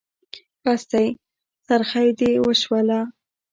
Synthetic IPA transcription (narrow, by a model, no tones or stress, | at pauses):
past̪aj | saɾxajd̪ewəʃwala